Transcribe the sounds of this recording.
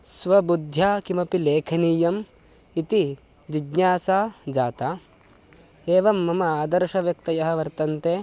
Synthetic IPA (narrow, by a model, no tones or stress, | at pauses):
sʋɐbud̪ʱjaːkimɐpileːkʰɐniːjɐm | it̪i | d͡ʒiɡɲaːsaːd͡ʒaːt̪a | eːʋɐmːɐmɐaːd̪ɐɾʃɐʋjɐk̚t̪ɐjɐɦɐ̆ʋɐɾt̪ɐnt̪eː